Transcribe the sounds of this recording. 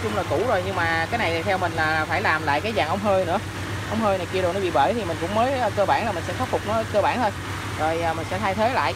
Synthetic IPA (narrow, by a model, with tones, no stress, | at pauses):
t͡ɕʊ˧ŋ͡mlaː˨˩ku˧˩zo˨˩jɲɨ˧ŋmaː˨˩kaː˨˦jna˨˩jt̪ʰa˨˩t̪ʰɛ˧wmï˨˩ŋ̟laː˨˩˨faː˧˩jlaː˨˩mla̰ː˧˨jkaː˨˦jzaː˨˩ŋʔə˧˦wŋ͡mɦəː˧jnɨ̰˧˥ə | ʔə˧˦wŋ͡mhəː˧jna˨˩jki˧əɾo˨˩nɔ˨˦ɓḭ˨˩ə̰˧˩t̪ʰi˨˩mï˨˩ŋ̟kʊ̰˧˥ŋ͡mməː˨˦jəː˧˩kəː˧ɓaː˧˩nlaː˨˩mï̟˨˩sɛ̰˧˥t̪ɔ˦˥t̚fʊ˨˩k͡p̚nɔ˨˦kəː˧ɓaː˧˩nt̪ʰə˧j | zo˨˩jʔːmï˨˩ŋ̟sɛ̰˧˥t̪ʰaː˧jt̪ʰe˨˦la̰ː˧˨j